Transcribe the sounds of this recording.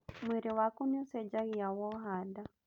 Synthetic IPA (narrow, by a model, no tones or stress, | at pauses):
mwiɾiwakuniusɛd͡ʒaɣiawɔɦada